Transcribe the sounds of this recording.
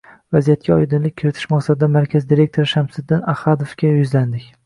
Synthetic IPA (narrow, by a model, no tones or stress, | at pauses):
vazijat̪̚kʲʰaɒjd̪ɪnlɪk̚ʲkʰːɪɾɪt̪ʰɪ̥ʃmaqsad̪ɪd̪amaɾkʲʰazd̪iɾe̞k̚ʲt̪ʰoɾɪʃamsɪd̪ːɪnahad̪ofkʲajʊzland̪ɪkʲ